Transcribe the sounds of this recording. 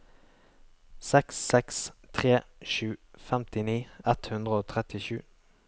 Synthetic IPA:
sɛksːɛkst̪ʰʁeːʃʉːfɛmt̪ɪniːɛt̪hʉnd̪ʁəoːt̪ʰʁɛt̪ɪʃʉ̰ː

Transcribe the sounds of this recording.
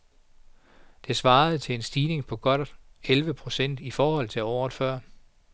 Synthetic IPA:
d̥e̝sʋɑ̈ːð̩ˠt͡sʰe̝e̝nsd̥iːne̝ŋpʰɒ̽ɡ̥ɒ̽d̥elʋəpʰʁo̝sen̰d̥ifɒːhɒ̽l̰t͡sʰe̝ɒʊð̥ˠfɶɐ̰

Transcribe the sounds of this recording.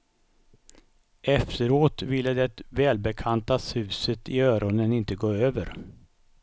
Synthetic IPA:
ʔɛft̪əɾoːt̪vɪlːəd̪ɛt̪vɛːlbɛkʰant̪ashʉ̟ːsət̪ɪœːɾɔnənɪnt̪əɡoːøːvəɾ

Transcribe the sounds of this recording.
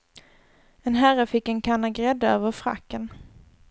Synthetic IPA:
ɛnɦæɾəfɪkːɛnkʰanːaɡɾɛd̪ːaœːvəɾfɾa̰kːən

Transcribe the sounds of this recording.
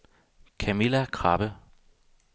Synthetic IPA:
kʰæmilækʰʁɑ̈b̥ə

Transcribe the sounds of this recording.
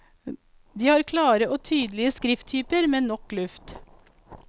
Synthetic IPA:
d̪iːhɑːɾkʰlɑːɾəʔoːt̪ʰyːd̪lɪəskɾɪft̪ʰyːpəɾmeːnɔklʉft̪

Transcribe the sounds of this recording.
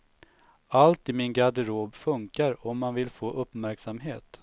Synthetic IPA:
alt̪ɪmɪnɡad̪əɾoːbfɵŋkaɾɔmːanvɪlfoːʔɵpːmæɾksamɦeːt̪

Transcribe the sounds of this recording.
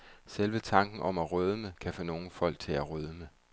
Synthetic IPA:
selʋət͡sʰɑ̈ŋɡ̥n̩ʔɒ̽mæʁøːð̞ˠəməkʰæfɔ̽no̝ːn̩fɒ̽l̰ɡ̥̚t͡sʰe̝læʁøð̞ˠəme

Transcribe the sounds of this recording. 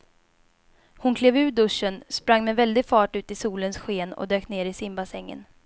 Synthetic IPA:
hʊnkʰleːvʉ̟ːd̪ɵʂːənspɾaŋːmɛvɛld̪ɪɡfɑːʈʉ̟ːt̪ɪsuːlənsɧeːnɔ̰d̪øːkneːɾɪsɪmbasɛŋːə̰n

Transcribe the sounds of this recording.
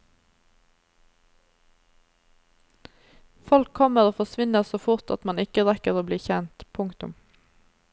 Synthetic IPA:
fɔlkʰɔməʁoːfɔsʋɪnəsoːfʊʁt̪ɑ̰t̪mɑnɪkəʁɛkəʁoːbliːçɛnt̪pʰʊŋt̪ʊ̰m

